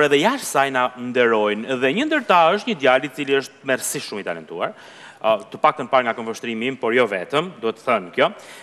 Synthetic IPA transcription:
ɾɛðɛjaʃsajnand̪ɛɾɔjnðɛɲənd̪əɾt̪aəʃ̬t̪ɲəd̪jalit͡siliəʃt̪mɛɾsiʃʃumit̪a̰lɛ̰nt̪uaɾ | t̪əpak̚t̪ənpaɾŋɡakɔnfɔʃt̪ɾimimpɔɾjɔvɛt̪əmd̪uhɛt̪ːəθənkjɔ

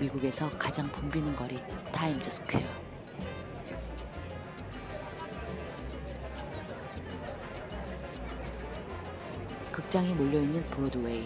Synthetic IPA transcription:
miɡuɡe̞sʰʌkad͡ʑaŋpumbinɯnɡʌɾitʰaimd͡ʑʌs͈ʰɯ̥kʰejo | kɯk̚t͡ɕ͈aŋimoʎːʌinːɯnpuɾodɯwei

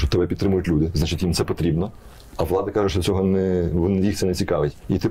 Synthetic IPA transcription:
ɔt̪ɛbɛpʲit̪t̪ɾɪmʊjʊtʲlʲud̪ɪznat͡ʃɪtʲʋʲimt̪sɛpɔt̪ɾʲibnɔ | ɐʋlˠɑd̪ɐkɑʒʊʃt͡ʃɔsʲɔɦɔnɛʋnjixt̪sɛnɛt͡sʲikɑʋɪtʲit̪ɪ

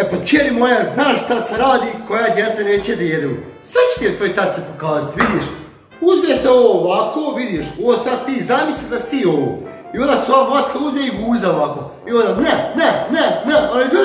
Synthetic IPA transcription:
epat͡ʃeɾimojaznaːʃʃt̪aseɾaːd̪iːko̞jad̪jet̪saneːt͡ɕijed̪ajed̪eṵsat͡ɕe̥t̪ijet̪ʋojt̪at̪̚sepo̞kaːzat̪ʋid̪jiʃ | uzmijeseoʋoːʋakʰoːʋid̪iʃoosad̪̚t̪iːzamislid̪asi̥t̪iːo̞ʋo̰ | io̞nd̪asʋakvat̪kauzmjeiɡuːzaoʋakoː | io̞nd̪aneneneneʔalibi

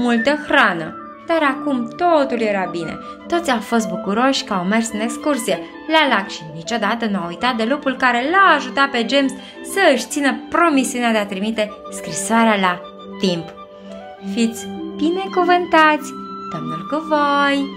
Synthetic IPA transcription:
mult̪əxɾanə̰ | d̪̥aɾakumt̪ot̪ulje̞ɾabinḛ | t̪o̞t̪sʲawfo̞s̬t̪̚bukuɾo̞ʃʲkəawme̞rsɨne̞kskursije̞ | lalakʃinit͡ʃo̞d̪at̪ənuawujt̪at̪̚d̪e̞lupulkaɾe̞laːʒut̪at̪̚pe̞d͡ʒe̞ms | səɨʃt̪sinəpɾo̞misiunead̪e̞at̪ɾimit̪e̞skɾisoaɾeala | t̪imp | fit̪sʲbine̞kuvɨnt̪at̪sʲd̪omnulkuvoj

